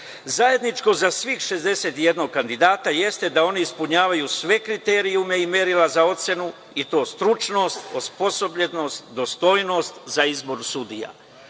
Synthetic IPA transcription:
zaje̞d̪nit͡ʃko̞zasʋiːxʃe̞zd̪e̞se̞t̪ije̞d̪no̞ɡ̚kand̪id̪aːt̪aje̞st̪e̞d̪ao̞niispuɲaːʋajusʋe̞kɾit̪e̞ːɾiume̞ime̞ɾilazao̞t̪se̞nu | it̪o̞ːst̪ɾut͡ʃno̞ːst̪ospo̞so̞bʎeno̞st̪d̪o̞st̪o̞jno̞ːst̪zaizbo̞ɾusud̪ija̰

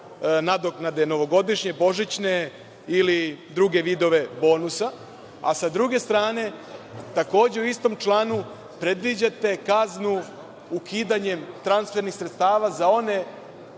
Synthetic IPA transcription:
nad̪oknad̪e̞no̞ʋo̞ɡo̞d̪iʃɲe̞bo̞ʒit͡ɕne | ilid̪ɾuɡe̞ʋid̪o̞ʋe̞bo̞ːnusa | asad̪ɾuɡe̞st̪ɾaːne̞t̪ako̞ːd͡ʑe̞uist̪o̞mt͡ʃlˠaːnu | pɾe̞d̪ʋid͡ʑat̪e̞kaznu | ukʰiːd̪aɲe̞mt̪ɾansfe̞ɾnixsɾet̪st̪aːʋazao̞ne̞

